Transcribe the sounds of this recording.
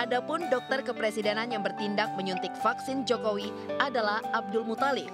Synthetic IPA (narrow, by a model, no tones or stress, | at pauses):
ʔadapʊndɔk̚t̪ərkəpɾesidɛnanjaŋbərt̪indak̚məɲunt̪ɪk̚faksɪnd͡ʒokowi | ʔadalahab̚dʊlmut̪alɪf